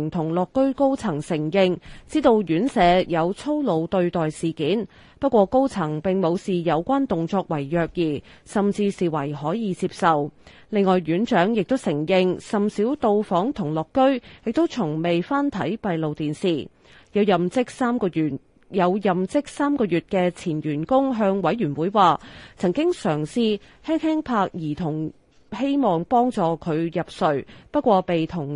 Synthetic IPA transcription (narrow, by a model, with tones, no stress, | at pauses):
ŋt̪ʰʊ˨˩ŋlɔː˨˩kːɵ˥ɥko˥wt͡sʰɐ˨˩ŋsɪ˨˩ŋjɪ˧ŋt͡siː˥t̪o˧wjyː˨˥nsɛː˨˧jɐ˨˧wt͡sʰo˥wlo˨˧wt̪ɵ˧ɥt̪ɔː˨jsiː˨˩kiː˨˥n | pɐ˥t̚kʷɔː˧ko˥wt͡sʰɐ˨˩ŋpɪ˨ŋmo˨˧wsiː˨˩jɐ˨˧wkʷaː˥nt̪ʊ˨ŋt͡sɔː˧k̚wɐ˨˩jːœː˧k̚jiː˨˩ | sɐ˨mt͡siː˧siː˨wɐ˨˩jhɔː˨˥jiː˨˧t͡siː˧p̚sɐ˨w | lɪ˨˧ŋːɔː˨˩jɥyː˨˥nt͡ʃœː˨˥ŋjɪ˨k̚t̪o˥wsɪ˨˩ŋjɪ˧ŋsɐ˨msiː˨˥wt̪o˧wfɔː˨˥ŋt̪ʰʊ˨˩ŋlɔː˨˩kːɵ˥ɥjɪ˨k̚t̪o˥wt͡sʰʊ˨˩ŋme˨jfaː˥nt̪ʰɐ̰˨˥jpɐ˨jlo˨˧wt̪iː˨nsiː˨˩ | jɐ˨˧wjɐ˨mt͡sɪ˥k̚saː˥mkɔː˧jyː˨˩t | jɐ˨˧wjɐ˨mt͡sɪ˥k̚saː˥mkɔː˧jyː˨t̚kɛː˧t͡sʰiː˨˩njyː˨˩nkʊ˥ŋɦœː˧ŋwɐ˨˥jɥyː˨˩nwuː˨˥jwaː˨t͡sʰɐ˨˩ŋkɪ˥ŋsœː˨˩ŋsiː˧ | hɛː˥ŋhɛː˥ŋpʰaː˧k̚jiː˨˩t̪ʰʊ˨˩ŋ | he˥jmɔː˨˩ŋpɔː˥ŋt͡sɔː˨˧kʰɵ˨˧ɥjɐ˨p̚sɵ˨˧ɥpɐ˥t̚kʷwɔː˧pe˨jt̪ʰʊ˨˩ŋ